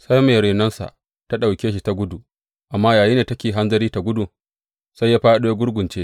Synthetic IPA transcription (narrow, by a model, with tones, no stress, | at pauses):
sa˦jmeː˨ɾeː˨nɐ˦nsa̰˨ʔ | ta˦ɗa˨wkʲeː˦ʃ̬i˦ta˦ɡʷʊ˦du˨ʔ | ʔa˨mːaː˦jaː˨ji˦neː˨tɐ˦kʲeː˨ɦa˦nzɐ˦ɾiː˦ta˨ɡʷʊ˦du˨ | sa˦jːaː˦ɸaː˦ɗu˦ja˦ɡʷʊ˦ɽɡʷʊ˨nt͡ʃeː˦